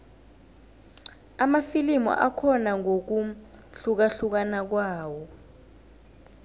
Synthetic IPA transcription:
amafilimɔ̰ʔakʰɔnaŋok̬uɬuk̬aɬuk̬anak̬waːwɔ

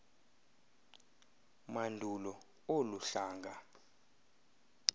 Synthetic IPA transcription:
mandʱulɔ | oluɬaːŋɡʱa

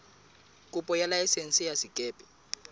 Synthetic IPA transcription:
kʼupʼɔjalaɛsen̩sʼijasikʼɛːpʼɛ̥

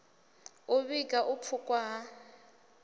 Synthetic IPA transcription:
ʊβikʼaʔʊp̪fʰʊkʼwaɦa

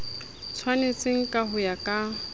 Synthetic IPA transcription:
t͡sʰwanet͡sʼɪŋ̩kʼaɦʊjakʼa

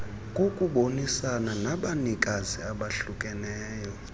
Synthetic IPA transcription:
kʼokʼuɓonisananaɓanikʼaziaɓaɬukʼɛnɛːjɔ

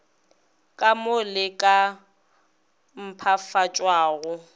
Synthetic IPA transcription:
kʼamʊlɪkʼa | m̩pʰafat͡ʃʼwaːɣʊ

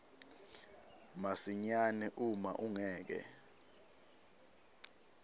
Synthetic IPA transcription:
masiɲanɛʔuma̰ʔuŋɛːk̬ɛ̰

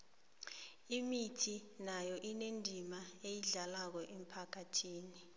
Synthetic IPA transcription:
imitʰinajɔʔinendʱimaejiɮalak̬ɔʔem̩pʰakʰatʰiːni

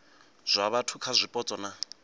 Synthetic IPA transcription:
z̥ʷaβatʰukʰazʷipʼɔt͡sʼɔna

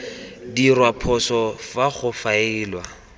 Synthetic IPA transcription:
dirwapʰɔsɔfaχʊfaɪːlwa

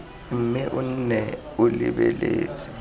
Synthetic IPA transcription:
m̩mɪʔʊn̩nɛ | ʊlɪbɛleːt͡sʼɛ̥

